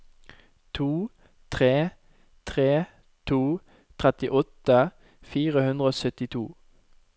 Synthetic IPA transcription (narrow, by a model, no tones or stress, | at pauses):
t̪ʰuː | t̪ʰʁeː | t̪ʰʁeː | t̪ʰuː | t̪ʰʁɛt̪ɪʔɔt̪ə | fiːʁəhʉnd̪ʁəoːsœt̪ɪt̪ʰuː